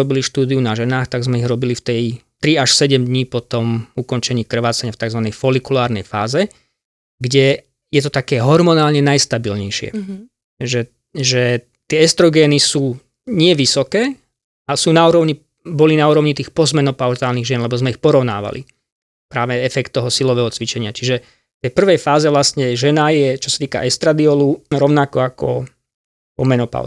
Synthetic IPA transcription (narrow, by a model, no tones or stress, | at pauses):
ɔbiliʃt̪uːd̪iunaʒɛnaːxt̪aɡzmɛiɣɾɔbilift̪ɛjt̪ɾiaʃsɛɟɛmd̪ɲiːpɔt̪ɔmukɔnt͡ʃɛɲiːkr̩ʋaːt͡saɲaft̪aɡzʋanɛjfɔlikulaːɾnɛ̰jfaːzɛ | ɡɟɛ | jɛt̪ɔt̪akɛːɦɔɾmɔnaːlɲɛnajst̪abilɲɛjʃɪɛ̰ | ʒɛ | ʒɛ | t̪ɪɛɛst̪ɾɔɡɛːnisuː | ɲɪɛʋisɔkɛː | asuːnauːɾɔʊɲi | bɔlinauːɾɔʊɲit̪iːxpɔzmɛnɔpaʊzaːlniɣʒɪɛnlɛbɔzmɛixpɔɾɔʊna̰ːʋa̰lʔḭ | pɾaːʋɛɛfɛkt̪ːɔɦɔsilɔʋɛːɦɔt͡sʋit͡ʃɛɲɪat͡ʃiʒɛ | t̪ɛjpr̩ʋɛjfaːzɛʋlast̪ɲɛʒɛnajɛt͡ʃɔ̥sat̪iːka̰ʔɛst̪ɾad̪iɔluɾɔʊnakɔakɔ̰ | pɔmɛnɔpa̰ʊ